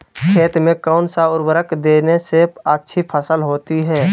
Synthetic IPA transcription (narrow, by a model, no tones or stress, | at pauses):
kʰeːt̪mẽkaʊnsaʊɾwəɾəkd̪eːneseətːʃʰipʰəsəlɦoːt̪iɦɛː